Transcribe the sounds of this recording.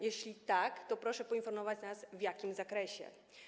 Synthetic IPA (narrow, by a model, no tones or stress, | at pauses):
jɛɕlʲit̪akt̪ɔpɾɔʂɛpɔinfɔɾmɔvat͡ɕnasvjakʲimzakɾɛɕɛ̰